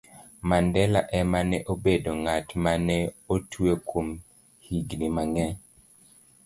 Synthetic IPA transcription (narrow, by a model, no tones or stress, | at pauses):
mandɛlaʔɛmanɛʔobedoŋatmanɛotʰwekʰom | hiɡnimaŋɛɲ